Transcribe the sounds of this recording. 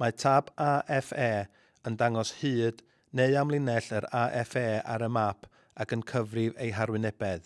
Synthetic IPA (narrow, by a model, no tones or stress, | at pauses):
matʰabaʔɛfɛː | əndaŋɔshɨːd̥ | neɨamlˠɪnɛɬəɾaʔɛfɛːa̰ɾəmapʰ | akənkʰəvrɪvejɦarwɪnɛbɛð